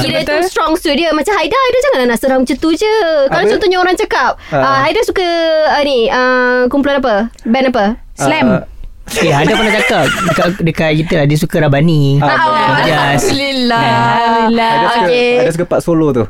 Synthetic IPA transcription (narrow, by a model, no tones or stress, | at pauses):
kidət̪ust̪ɾɔŋst̪udiəmat͡ʃamɦaidahajdad͡ʒaŋananaʔsəɾaɦʊŋt͡ʃət̪ud͡ʒəkalat͡ʃɔnt̪ɔhɲaoɾaŋt͡ʃakap̚əɦaidasukəaəniəkumpulanap̬əbɛnapə | slɛm | okeadnapərnaht͡ʃakap̚dəkadəkat̪̚ɡit̪əladisukəɾabani | jaslilailaokedas̬ukəpaʔsolot̪u